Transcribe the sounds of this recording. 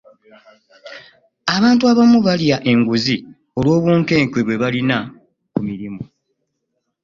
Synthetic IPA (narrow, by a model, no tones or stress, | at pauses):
aβaːntuaβamuβaljaʔe̞ŋɡuzi | o̞lwo̞ːβwuːŋke̞ːŋkweβwe̞βalina | kumiɾimo